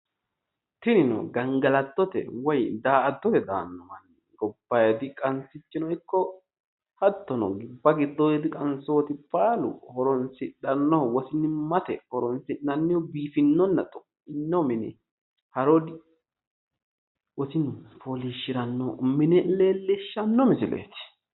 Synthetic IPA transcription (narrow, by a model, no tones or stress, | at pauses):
t̪ɪnɪnɔ̰ɡɐŋɡɐlɐt̪ːɔt̪ɛ̰wɔjd̪aːɐd̪ːɔt̪ɛd̪a̰ːnːɔmɐnːɪɡɔbːɐjɐd̪ɪkʼɐnsɪt͡ʃːɪnɔɪkːɔ | hɐt̪ːɔnɔ̰ɡɪbːɐɡɪd̪ːɔjɛd̪ɪkʼɐnsoːt̪ɪpʼaːlʊ̰hɔɾɔnsɪɗɐnːɔwɔsɪnːɪmɐt̪ɛhɔɾɔnsɪnɐnːɪjɔbiːfɪnːɔnːɐt̪ʼɔ | ɪnːɔmɪnɛ̰ | hɐɾoːd̪ɪ | wɔsɪnfoliʃːɪɾɐnːɔmɪnɛle̞ːlːɪʃːɐnːɔmɪsɪlḛːt̪ɪ̥